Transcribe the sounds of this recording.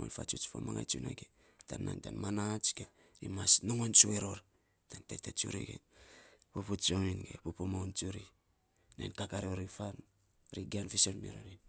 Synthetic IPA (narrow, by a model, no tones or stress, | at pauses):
o̰nfa̰t͡ʃut͡ʃfa̰maŋa̰jt͡ʃuna̰ɡe | tanːa̰ŋtanmanat͡ʃɡe | imasnoŋont͡ʃue̞ɾo̞ɾ | tantetet͡ʃṵɾḭɡḛ | puput͡ʃominɡḛpupumownt͡ʃuɾi | nḛnkakaɾeoɾifan | ɾiɡanfisonmiɾoɾin